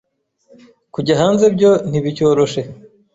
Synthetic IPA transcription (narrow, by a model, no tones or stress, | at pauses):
kuɟaɦaːnze̞bɟo̞n̥iβico̞ːɾo̞ʃe̞